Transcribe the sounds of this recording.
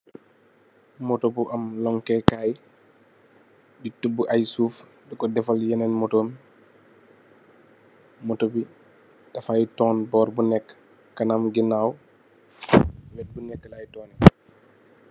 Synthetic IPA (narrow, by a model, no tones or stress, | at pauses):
mɔtobuʔɐmlɔŋkɛkaːj | bitubːuʔajsuːf | dukɔdɛfaljɛnɛnmɔtoːm | mɔtobi | tɐfajtɔːnbɔːɾbunɛkː | ɐnamɡinaːw | wɛt̚bunɛkːəlajtɔːnɛ